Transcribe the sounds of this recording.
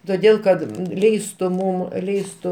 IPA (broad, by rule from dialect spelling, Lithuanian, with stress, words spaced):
toːˈdʲeːlˠ kɐt ˈlʲɛɪstʊ ˈmʊm ˈlʲɛɪstʊ